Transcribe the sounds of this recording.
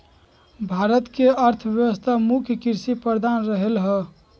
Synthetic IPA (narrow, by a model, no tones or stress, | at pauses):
bʱaɾət̪keəɾt̪ʰəʋjəʋəst̪ʰamukʰjəkiɾsipəɾd̪anɾəɦelɦə